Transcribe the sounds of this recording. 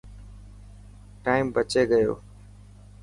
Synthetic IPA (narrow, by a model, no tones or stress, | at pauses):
ʈaːɪmbət͡ʃeːɡəjo̰ː